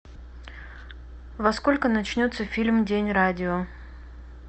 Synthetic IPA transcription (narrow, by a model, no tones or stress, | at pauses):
vɐsko̞lʲkənɐt͡ɕnʲot̪səfʲilʲmdʲenʲradʲɪo